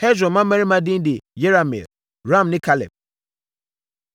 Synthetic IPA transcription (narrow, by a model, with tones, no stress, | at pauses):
hɛ˦zɾɔ̃˨mã˦mã˦ɾĩ˦mã˦dɪ̃˦n˦dɪ˨je˦ɾa˨mḭ˨l | ɾã˦˨mnɪ̃˦kʰa˦lɛ̰˨p̚